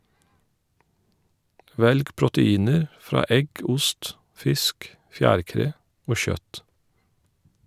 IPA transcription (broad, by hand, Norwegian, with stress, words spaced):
ˈʋɛlɡ pɹʊtəˈiːnəɾ ˈfɾɑː ˈɛɡ ˈʊst ˈfɪsk ˈfjæːɾˌkɾeː ˈoː ˈçœt